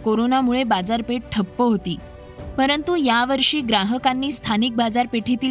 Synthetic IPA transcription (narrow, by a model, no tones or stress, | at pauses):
koɾonamuɭebad͡zaɾpeʈ̚ʈʰəpːəɦot̪iː | pəɾənt̪ujaʋəɾʂiːɡɾaɦəkanːiːst̪ʰanik̚bad͡zaɾpeʈʰit̪iː